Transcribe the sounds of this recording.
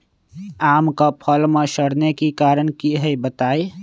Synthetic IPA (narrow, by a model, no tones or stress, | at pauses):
aːmkapʰəlmẽʃəɽnekikaːɾəñkiɦɛibət̪aːi